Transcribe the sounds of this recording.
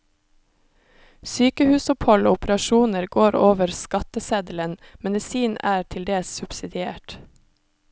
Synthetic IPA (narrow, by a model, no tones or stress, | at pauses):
syːkəhʉːsʊphɔlo̰ːʊpəɾɑʃuːnəɾɡoːɾoːʋəɾskɑt̪əseːd̪l̩ənmɛd̪ɪsiːnæːɾʈʰɪld̪eːssʉb̥sɪd̪ɪeːʈ